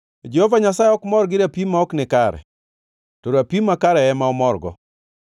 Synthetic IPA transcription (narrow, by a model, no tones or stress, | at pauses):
d͡ʒehovaɲasaeɔkmɔɾɡɪɾapimaɔknɪkaɾɛ̰ | toɾapimakaɾɛɛmaɔmɔrɡɔ̰